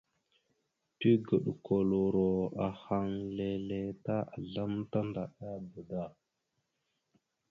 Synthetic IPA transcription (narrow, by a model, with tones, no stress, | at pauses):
ti˦ɡə˨ɗko˨lo˨ɾo˨a˨ha˨ŋle˨le˨ta˦a˨ɮa˦mta˦nda˨ɗa˦bə˨da˦˨